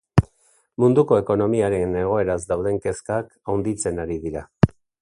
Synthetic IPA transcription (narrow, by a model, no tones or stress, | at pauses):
mund̪uko̞e̞ko̞no̞miaɾe̞ne̞ɣ̞o̞e̞ɾazd̪awð̞e̞ŋke̞skak | awnd̪it͡se̞naɾiðiɾa